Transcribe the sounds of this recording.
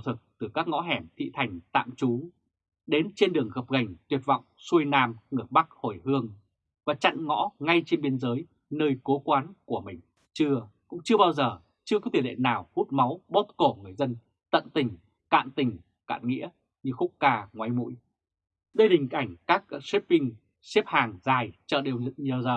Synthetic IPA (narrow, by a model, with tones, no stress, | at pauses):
wt̪ʰɨ˨˩k̚t̪ɨ˨˩kaː˦˥k̚ŋɔ̰˧˥ɦɛ˧˩mt̪ʰḭ˧˨t̪ʰa˨˩jŋ̟t̪a̰ː˧˨mt͡ɕu˨˦ | ɗe˨˦nt͡ɕe˧nɗɨ˨˩əŋɣə˨˩p̚ɣə˨˩jŋ̟t̪wət̚va̰˧˨wŋ͡msu˧jnaː˧mŋɨ˧˩əɓa˦˥k̚ho˧˩jhɨ˧əŋ | vaː˨˩t͡ɕa̰˧˨nŋɔ̰˧˥ŋa˧jt͡ɕe˧nɓi˧ənzəː˨˦j | nəː˧jko˨˦kwaː˨˦nku˧˩əmï˨˩ŋ̟ | t͡ɕɨ˧əkʊ̰˧˥ŋ͡mt͡ɕɨ˧əɓaː˧wzəː˨˩ | t͡ɕɨ˧əkɔ˨˦t̪ʰi˧˨˩lḛ˧˨naː˨˩whu˦˥t̚ma˨˦wɓo˦˥t̚ko˧˩ŋɨ˨˩əjzə˧n | t̪ə̰˧˨nt̪ï˨˩ŋ̟ | ka̰ː˧˨nt̪ï˨˩ŋ̟ | ka̰ː˧˨nŋḭ˧˥ə | ɲɨ˧xʊ˦˥k͡p̚kaː˧ŋwa˨˦jmṵ˧˥j | ɗə˧jɗï˨˩ŋ̟ʔa˧˩jŋ̟kaː˦˥k̚sɛ˦˥p̚vï˧ŋ | sɛ˦˥p̚haː˨˩ŋzaː˨˩jt͡ɕə̰ː˧˨ɗe˨˩wɲ˨˩zəː˨˩